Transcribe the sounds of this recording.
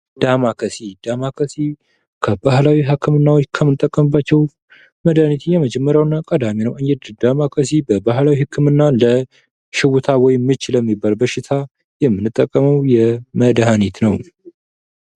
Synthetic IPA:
d̪̥amakʰəsid̪̥amakʰəsi | kʰəbahlawiɦakʰːɨmɨnːawot͡ʃːkʰəmːɨnɨt̪ʼəkʼːəmɨbːat͡ʃːɛw | məd̪hanit̪ʰnjɛməd͡ʒɛmːəɾjawnːakʼəd̪aminəwʔɨɲd͡ʒɛd̪d̪amakʰəsibəbaɦlawihɨkʰːɨmɨnːalə | ʃɪwut̪ʰawɔjmːɨt͡ʃːɪləmːibːalbəʃɪt̪ʰa | jɛmːɨnːɨt̪ʼːəkʼːəməwjɛməd̪ɦanit̪nəw

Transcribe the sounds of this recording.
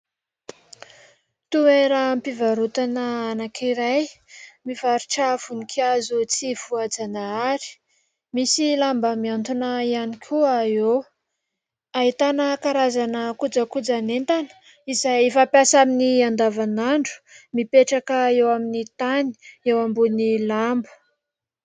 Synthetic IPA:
t̪ueɾəmpivaɾut̪anəanakʰiɾajmivaɾuʈ͡ʂav̥unikʰiazut͡siv̥uad͡zanaaɾi̥ | misilambəmiant̪unəianikʲʰuae | aɦit̪anəkaɾazanəkud͡zəkud͡zanent̪anə̥ | izajfapjasaminiand̪avanaɳɖ͡ʐu̥mipeʈ͡ʂakəewaminit̪ani̥ewambunilambə̥

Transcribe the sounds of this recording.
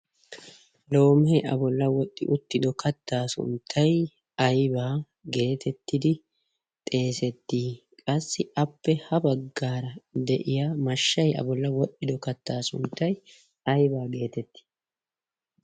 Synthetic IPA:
lo̞ːmɛʔɐ̰bɔlːɐwɔɗʼːɪ̰ʔʊt̪ːɪd̪ɔkɐt̪ːaːsʊ̰nt̪ʰːɐj | ɐjbaː | ɡe̞ːt̪ʰɛt̪ːɪd̪ɪ | t̪ʼe̞ːsɛt̪ːiː | kʼɐsːɪʔɐpːɛhɐbɐɡːaːɾɐd̪ɛʔɪjamɐʃːɐjɐ̰bɔlːɐwɔɗːɪd̪ɔkɐt̪ːaːsʊnt̪ːɐj | ɐjbaːɡe̞ːt̪ɛt̪ːi̥ː

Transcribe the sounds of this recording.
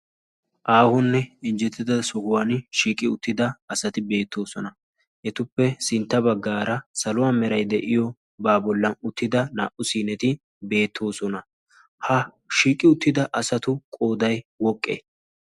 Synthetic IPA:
ʔaːhɔnːɛɪnd͡ʒɛt̪ːɪd̪ɐsɔhʊwanʃiːkʼɪʊt̪ːɪd̪ɐɐsɐt̪ɪbe̞ːt̪ːo̞ːsɔnɐ | ʔɛt̪ʊpːɛsɪnt̪ːɐbɐɡːaːɾɐsɐlʊwaːmɛɾɐjd̪ɛʔɪjɔ | baːbɔlːɐʊt̪ːɪd̪ɐna̰ːʔʊsiːnɛt̪ɪ | be̞ːt̪ʰːo̞ːsɔnɐ | hɐ | ʃiːkʼːɪʊt̪ːɪd̪ɐʔɐsɐt̪ʊkʼo̞ːd̪ɐjwɔkʼːḛː

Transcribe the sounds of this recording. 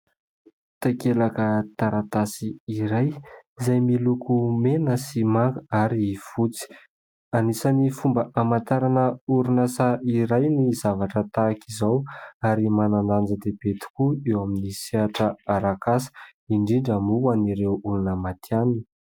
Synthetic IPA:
t̪akelakət̪aɾat̪asiːɾajizajmilukʰumenəsimaɡaɾiv̥ut͡si̥ | anisanifumbəʔamant̪aɾanəuɾunasaiɾajnizavaʈ͡ʂət̪aːkizawaɾimananand͡zəd̪eb̥et̪i̥kuewaminiseaʈ͡ʂəaɾakasə̥iɳɖ͡ʐiɳɖ͡ʐamuaniɾewulunəmat̪ʰianin

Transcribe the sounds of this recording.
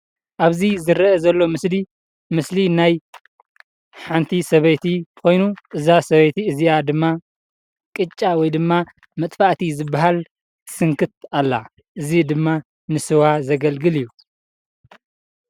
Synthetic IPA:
ʔaβzizɨɾɐɐzɐlːo̞mɨsli | mɨslinaj | ħant̪ʰisɐβɐjt̪ʰikʰo̞jnuʔɨzasɐβɐjt̪ʰiɨzijad̪ɨmːa | kʼɨt͡ʃʼːawɔjd̪ɨmːa | mɐt̪ʼfaʔt̪ʰizɨbːaɦal | sɨŋkʰɨt̪̚alːa̰ | ʔɨzid̪ɨmːa | nɨsɨwazɐɡɐlɡɨlijːu

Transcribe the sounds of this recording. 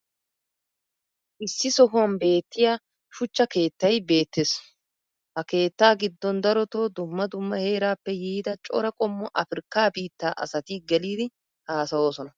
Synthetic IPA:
ʔɪsːɪsɔhʊɐnbe̞ːt̪ːɪjaː | ʃʊt͡ʃːɐke̞ːt̪ːɐjbe̞ːt̪ːeːs | hɐke̞ːt̪ːaːɡɪd̪ːɔnd̪ɐɾɔt̪o̞ːd̪ʊmːɐd̪ʊmːɐhe̞ːɾaːpːɛjiːd̪ɐt͡ʃʼɔ̰ɾɐkʼɔmːɔʔɐfɪɾkːaːbiːt̪ːaːʔɐ̰sɐt̪iɡɛliːd̪ɪ | haːsɐwo̞ːsɔnɐ

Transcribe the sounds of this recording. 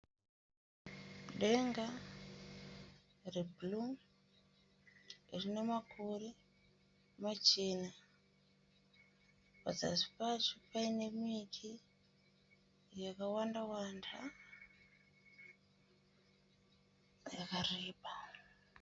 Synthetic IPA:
ɗe̞ŋɡa | rebluŋ | irine̞makʰure | mat͡ʃena | pa̰d͡za̰si̥pat͡ʃopaine̞mitʰi | jakawandawandʰa | jakariːpa

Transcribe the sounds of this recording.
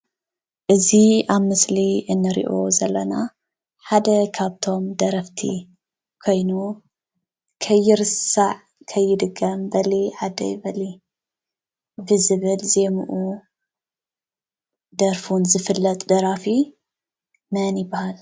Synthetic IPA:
ʔɨziaβmɨsliɨnːɨɾḭʔo̞zɐlːɐna | ħad̪ɐkʰaβt̪ʰo̞md̪ɐɾɐft̪ʰḭ | kʰo̞jnu | kʰɐjːɪɾɨsaʕ | kʰɐjːɪd̪ɨɡːɐmbɐliʕad̪ɐ̰jbɐli | bɨzɨβɨlze̞muʔu | d̪ɐɾfunzɨfɨlːɐt̪ʼd̪ɐɾafi | mɐnjɪbahal

